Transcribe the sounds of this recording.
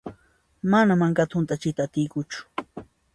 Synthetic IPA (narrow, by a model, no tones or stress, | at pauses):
manamaŋkat̪ʊnt̪ʼat͡ʃɪt̪aːt̪ɪjkʊt͡ʃʊ̥